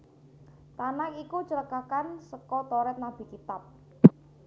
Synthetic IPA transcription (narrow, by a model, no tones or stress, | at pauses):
t̪anakikut͡ʃələkakansəkɔt̪ɔɾɛt̪̚nab̥i̤kit̪ap̚